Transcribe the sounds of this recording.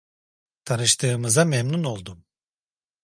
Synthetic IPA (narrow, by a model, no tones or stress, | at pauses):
t̪ʰanɯʃt̪ʰɯːmɯzamemnuno̞lˠd̪um